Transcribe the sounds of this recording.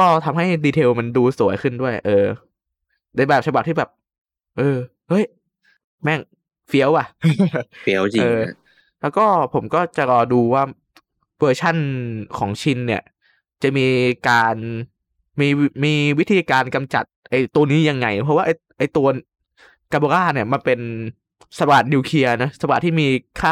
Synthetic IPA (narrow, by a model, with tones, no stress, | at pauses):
kɔː˥˩t̪ʰa˧mɦa˥˩jdiː˧t̪ʰeː˧wma˧nduː˧su˨˩˦əjkʰɯ˥˩ndu˥˩əjʔɤː˧ | na˧jbɛː˨˩p̚t͡ɕʰa˧ba˨˩p̚t̪ʰiː˥˩bɛː˨˩p̚ | ʔɤː˧ | hɤ˦˥˩j | mɛ˥˩ŋ | fi˦˥əwa˨˩ | fi˦˥əwt͡ɕi˧ɤː˧ | lɛː˦˥wkɔː˥˩pʰo˩˦mkɔː˥˩t͡ɕa˨˩ɾɔː˧duː˧waː˥˩ | wɤː˧t͡ɕʰa˥˩nkʰɔː˩˦ŋt͡ɕʰi˧nːi˥˩ɐ | t͡ɕa˨˩miː˧kaː˧n | miː˧miː˧wi˦˥t̪ʰiː˧kaː˧nka˧mt͡ɕa̰˨˩t̪̚ʔa˧˩jt̪u˧ɐniː˦˥ja˧ŋːa˧jpʰɔ˦˥waː˥˩ʔa˧j | ʔa˧˩jt̪u˧ɐ | ka˧bo˧aː˥˩ni˥˩ɐma˧npe˧n | sa˧baː˨˩t̪̚niː˧kʰi˧ɐna˦˥sa˧baː˨˩t̪ʰːiː˥˩miː˧kʰaː˥˩